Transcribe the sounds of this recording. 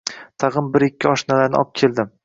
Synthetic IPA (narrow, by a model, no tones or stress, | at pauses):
t̪ʰɑʁɨmbɪɾɪkʲːɪɒʃnalaɾnɪ̰ɒ̰p̚kʲʰe̞ld̪ɪm